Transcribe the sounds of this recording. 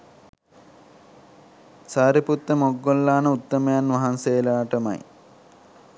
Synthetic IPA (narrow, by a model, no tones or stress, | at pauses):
saːɾiput̪ːəmoɡːolːaːnəut̪ːəmejanʋɐɦansejlaːʈəma̰j